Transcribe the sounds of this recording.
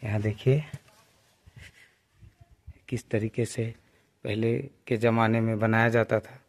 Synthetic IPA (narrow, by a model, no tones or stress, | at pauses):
jəɦãd̪eːkʰie | kɪst̪ɐɾiːqese | pɛɦleked͡ʒɐmaːnemẽbɐnaːjad͡ʒaːt̪at̪ʰaː